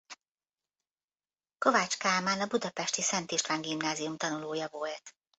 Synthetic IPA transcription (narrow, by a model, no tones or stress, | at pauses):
ko̞vaːt͡ʃkaːmaːnɒbud̪ɒpɛʃt̪isɛnt̪iʃt̪ʋaːŋɡimnaːziumt̪ɒnuloːjɒvo̞lt̪